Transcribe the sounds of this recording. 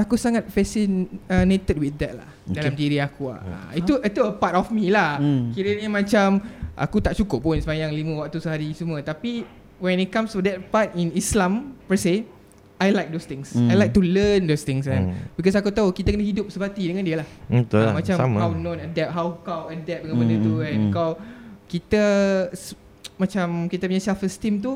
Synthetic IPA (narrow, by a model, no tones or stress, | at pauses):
akusaŋat̪̚fɛsinənet̪ət̚wid̪ɛt̚la̰hdalamdiɾiakua̰it̪uʔit̪uəpatɔfmilahkiɾiənɲəmãt͡ʃamʔa̰kut̪aʔt͡ʃukʊpʊnsəmajaŋlimə̃wak̚t̪usəɦaɾisəmuət̪api | wɛ̃nit̪̚kãmstudɛt̚pat̚inislãmpəse | ajlajk̚dost̪ɪ̃ŋsajlajk̚t̪uləndost̪ɪ̃ŋsanbikɔs̬akut̪aukit̪əkənəhidʊp̚səpat̪idəŋãndiəlahət̪umãt͡ʃamawnɔ̃nadɛp̚ɦawkawədɛp̚dəŋãnbədət̪uɛ̃nkawkit̪əs | mãt͡ʃamkit̪əpuɲãsalfəst̪imt̪u